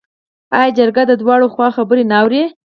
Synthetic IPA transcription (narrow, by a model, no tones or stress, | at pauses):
ɑjɑd͡ʒaɾɡad̪əd̪wɑɽoxwɑxabəɾenaːwɾe